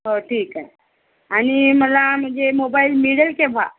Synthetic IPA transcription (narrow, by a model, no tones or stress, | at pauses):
ɦoʈʰiːkə | aɽ̃iməlam̤əɳd͡zemobailmiɽəlkeʋa̰